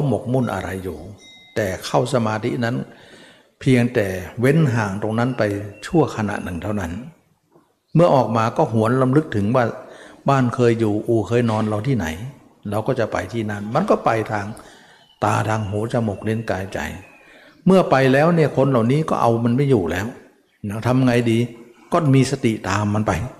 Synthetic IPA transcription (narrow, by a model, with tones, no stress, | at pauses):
ɾa˧˦wmo˨˩k̚mu˧˥˩nʔa̰˧ɾa˧jːuː˨˩ | t̪ɛː˨˩kʰa˥˩wsa˧maː˧t̪ʰḭ˦˥na˦˥˨n | pʰi˧əŋt̪ɛː˨˩we˦˧˥nɦaː˨˩ŋt̪o˧ŋna˦˥˨npa˧jt͡ɕʰu˥˩ɐkʰa˧na̰˧nɯ˨˩ŋt̪ʰa˥˩wna˦˥˩n | mɯ˥˩ɐʔɔː˨˩k̚maː˧kɔː˥˩ɦu˩˦ənla˧mlɯ˧˥k̚t̪ʰɯ˩˦ŋwaː˧˥˩baː˥˩˨nkʰɤː˧jːuː˨˩ʔuː˨˧˩kʰɤː˧jnɔː˧nla˧wt̪ʰiː˥˩na̰˨˩˦j | ɾa˧wkɔː˥˩t͡ɕa˨˩pa̰˧jt̪ʰiː˧˩na˧˩˨nma˧˥nkɔː˥˩pa˧jt̪ʰaː˧ŋ | t̪a̰ː˧t̪ʰaː˧ŋɦoː˩˦t͡ɕa˧mo˨˩k̚le˧˥˩nkaː˧jt͡ɕa̰˨˩j | mɯ˥˩ɐpa˧jlɛː˦˥wniː˥˩ɐkʰo˧nla˨˩wniː˦˥˨kɔ̰ː˥˩ʔa˧wma˧nma˥˩jːuː˨˩lɛː˦˥w | na˦˥t̪ʰa˧m˧ŋa˧jdiː˧ | kɔː˥˩miː˧sa˧t̪ḭ˨˩ʔt̪aː˨˧mːa˧npa˧j